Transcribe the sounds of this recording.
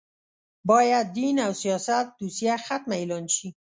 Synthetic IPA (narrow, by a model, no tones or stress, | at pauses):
bɑjad̪ːinawsijɑsat̪̚d̪usijaxat̪̚maelɑnʃi